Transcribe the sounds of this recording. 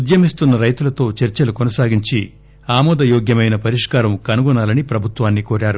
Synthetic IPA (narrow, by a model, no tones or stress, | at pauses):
ud̪jɐmist̪unːɐɾɐjt̪ulɐt̪o̞ːt͡ʃeɾt͡ʃɐlukɔnɐsaːɡiɲt͡ʃi | aːmɔːd̪ɐjoːɡjɐmɐjnɐpɐɾiʂkaːɾɐmkɐnuɡɔnaːlɐnipɾɐbʱut̪ʋaːnːikoːɾaːɾu